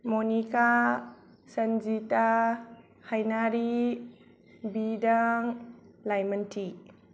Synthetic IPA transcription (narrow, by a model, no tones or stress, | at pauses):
monika | sənzita | hajnaɾi | bidaŋlajməntʰi